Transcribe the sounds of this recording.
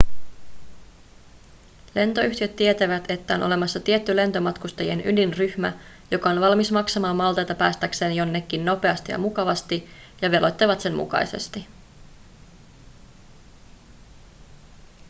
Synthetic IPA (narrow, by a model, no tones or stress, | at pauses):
le̞nt̪o̞yçt̪iø̞t̪ːie̞t̪æʋæt̪e̞t̪ːæo̞nʔole̞mɑsːɑt̪ie̞t̪ːyle̞nt̪o̞mɑt̪kust̪ɑjienʔyndinryhmæ̰ | jo̞kɑo̞nʋɑlmismɑksɑmɑːmːɑlt̪ɑjt̪ɑpæːst̪ækse̞ːnjo̞nːe̞kːinːo̞pe̞ɑst̪ijɑ̰mukɑʋɑst̪i | jɑʋe̞lʔo̞jt̪ːɑʋɑt̪se̞nmṵkɑ̰jse̞̰st̪i